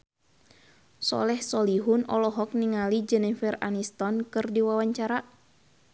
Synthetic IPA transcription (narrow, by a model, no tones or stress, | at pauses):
sɔ̰lɛhsɔliɦunɔlɔɦɔk̚niŋalid͡ʒɛnɛfɛra̰nist̪ɔnkɨrdiwawaɲt͡ʃaɾa